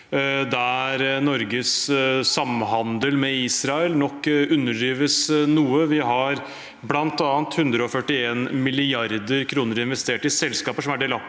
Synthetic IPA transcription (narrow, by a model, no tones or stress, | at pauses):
d̪ææɾnɔɾɡəssɑmːɦɑnd̪əlmɛiːsɾɑɛəlnɔkːʉnːəɖiːʋəsnuːəʋɪɦɑɾ | blɑnt̪ɑːnt̪hʉnd̪ɾəɔfœʈːɪeːnmɪlɪɑɾd̪əɾkʰɾuːnəɾɪnʋɛst̪eːʈɪsɛlskɑːpəʂɔmæɖeːlɑ